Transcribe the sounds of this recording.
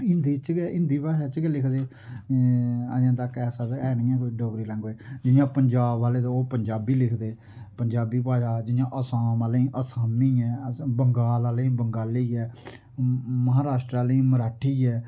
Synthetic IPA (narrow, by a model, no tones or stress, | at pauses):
ɪnd̪iːt͡ʃɡeʔɪ̃nd̪iːpaːʃaːt͡ʃəɡelɪkʰd̪eː | əd͡ʒãːt̪əkɛːsaːt̪ɛːnĩːɛ̃ːkiɖoːɡɾiːlə̃ŋɡɦoːeːd͡ʒɪjãːpəɲd͡ʒaːbaːleːd̪aoːpəɲd͡ʒaːbiːlɪkʰd̪eː | pəɲd͡ʒaːbiːpaːʃaːd͡ʒɪjãːʔəsaːmaːlĩːʔəsaːmiːɛːbəŋɡaːlaːlĩːbəŋɡaːliiːɛː | məɦaːɾaːʃʈɾaːlĩːməɾaːʈʰiːɛː